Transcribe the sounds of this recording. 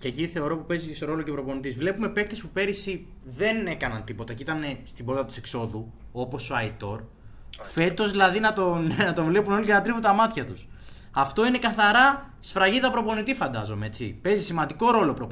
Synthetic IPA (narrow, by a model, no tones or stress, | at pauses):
ceciθe̞o̞ɾo̞pupe̞zisoɾo̞lo̞cepɾo̞po̞nit̪izvle̞pume̞pe̞kt̪espupe̞ɾisi | ðe̞ne̞kɐnɐnt̪ipo̞t̪ɐcit̪ɐne̞st̪ibo̞ɾt̪ɐt̪u̥sekso̞ðu | o̞po̞soɐit̪o̞ɾ | fe̞t̪ozðilɐðinɐt̪onnɐt̪o̞vle̞punolicenɐt̪ɾivut̪ɐmɐt̪çɐt̪us | ɐft̪o̞ine̞kɐθɐɾɐsfɾɐʝiðɐpɾo̞po̞nit̪ifɐnd̪ɐzo̞meet͡sḭpe̞zisimɐnd̪iko̞ɾo̞lopɾo